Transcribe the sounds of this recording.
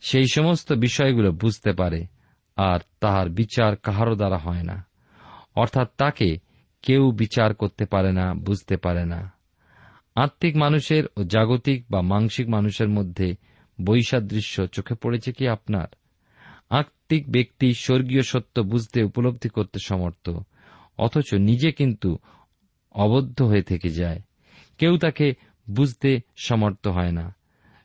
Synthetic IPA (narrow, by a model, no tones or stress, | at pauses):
ʃejʃɔmost̪obiʃɔeɡulobud͡ʑʱt̪epaɾe | aɾt̪aɦaɾbit͡ɕaɾkaɦaɾod̪aɾaɦɔena̰ | ɔɾt̪ʰat̪ːake | kewbit͡ɕaɾkoɾt̪epaɾenabud͡ʑʱt̪epaɾena̰ | aɾt̪ːikmanuʃeɾod͡ʑaɡot̪ik̚bamaŋʃikmanuʃeɾmod̪ʱːe | bojʃad̪ːɾiʃːot͡ɕokʰepoɽet͡ɕʰekiapna̰ɾ | aɾt̪ik̚bek̚t̪iʃoɾɡioʃot̪ːobud͡ʑʱt̪eupolob̚d̪ʱikoɾt̪eʃɔmoɾt̪o̰ | ɔ̰t̪ʰot͡ɕonid͡ʑekint̪u | ɔβod̪ʱːoɦoet̪ʰeked͡ʑae | kewt̪ake | bud͡ʑʱt̪eʃɔmoɾt̪oɦɔena̰